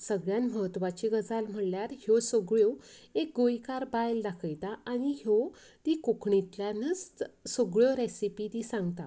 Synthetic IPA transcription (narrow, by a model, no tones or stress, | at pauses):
səɡɭjanməɦət̪ʋat͡ɕiɡəd͡zalm̤əɽljaɾhjosoɡɭjoek̚ɡojkaɾbajld̪akʰəjt̪aaɽ̃iɦjo | t̪ikokʰɳit̪ljanət͡ssoɡɭjoɾesipit̪isãŋɡt̪a̰